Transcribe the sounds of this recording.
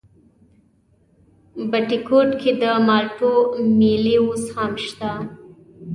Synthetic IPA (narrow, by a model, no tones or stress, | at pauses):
baʈikʰoʈkʰed̪əmɑʈomeleoshamʃt̪a